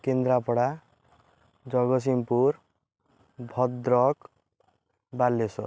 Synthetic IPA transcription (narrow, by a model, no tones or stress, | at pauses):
kend̪ɾapɔɽa | d͡ʒɔɡɔs̬impuɾ | bʱɔd̪ɾɔk | balːesɔ̰